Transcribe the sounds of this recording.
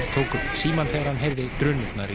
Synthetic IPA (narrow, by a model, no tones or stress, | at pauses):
ɾt̪ʰoːwkʏpsiːmanθɛɣaɾ̥hanɦejɾðɪt̪ɾʏːnʏt̪naɾi